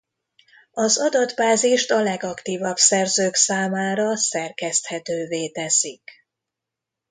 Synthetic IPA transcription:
ɒzɒd̪ɒd̪baːziʃt̪ɒlɛɡɒkt̪iːvɒbsɛrzøːksaːmaːɾɒsɛrkɛst̪hɛt̪øːveːt̪ɛsik

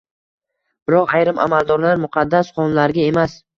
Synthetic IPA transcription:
b̥ɪɾɒqajɾɪmʔa̰malˠd̪ɒɾlaɾmʊqʰɑd̪ːasqɒnlaɾɡʲae̞mas

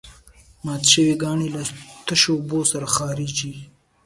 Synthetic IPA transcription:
mɑːt̪ʃəwiɡɑːɳilat̪əʃobosaɾaxɑːɾid͡ʒi

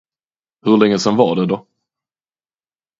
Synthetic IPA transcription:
hɵɭɛŋːəsɛnvɑɖɛd̪ɔ

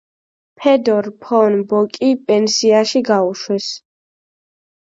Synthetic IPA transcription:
pʰɛd̪ɔɾpʰɔnbɔkʼipʼɛnsiaʃiɡauʃwɛs

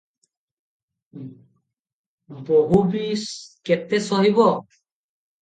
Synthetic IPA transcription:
bɔɦubiskɛt̪ɛsɔɦibɔ

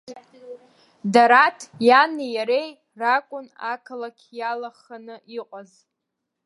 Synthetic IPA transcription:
daɾatʰjanijaɾe̞j | rakʷʼʊnakʰlakʲʰjalaχanɨʔiqʷʼaz

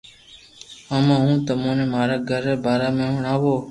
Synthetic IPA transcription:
əmãɦũːt̪əmõːnẽːmaːɾaːɡʱəɾbʱaːɾaːmẽːɦʊɳaːʋoː

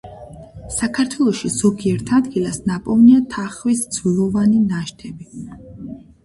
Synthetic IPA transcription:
sakʰaɾt̪ʰwɛlˠɔʃiz̥ɔɡiɛɾt̪ʰad̪ɡilˠasnapʼɔvniat̪ʰaχvisd̪zvlˠɔvaninaʃt̪ʰɛbi

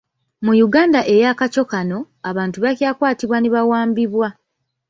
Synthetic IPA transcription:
mujuɡaːndaʔe̞jaːkaco̞kano̞ | aβaːntuβakjaːkwaːtiβwaniβawaːmbiβwa

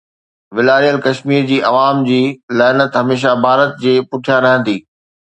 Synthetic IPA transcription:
ʋɪlaːɾijəlkɐʃmiːɾd͡ʑiːʔɐʋaːmd͡ʑiːlɛːnət̪ɦɐmeːʃ̬abʱaːɾət̪̚d͡ʑeːpʊʈʰijaɾɐɦə̃nd̪iː

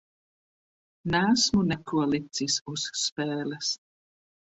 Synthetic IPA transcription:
næːsmunɛkualit̪sisusːpɛːlɛs

